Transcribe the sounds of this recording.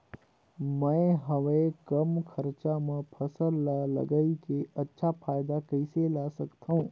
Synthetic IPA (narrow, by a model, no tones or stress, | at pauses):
mə̃ɪɦəʋẽkəmkʰəɾt͡ʃamə̃pʰəsəlːalɐ̰ɡəikeʔɐtːʃʰapʰaːjd̪akəɪselaːsəkt̪ʰaɦũː